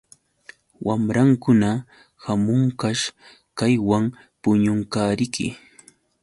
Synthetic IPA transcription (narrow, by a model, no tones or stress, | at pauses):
wamɾaŋkʊna | hamʊŋkaʃ | kajwaŋ | pʊɲʊŋkaːɾɪkʰɪ̰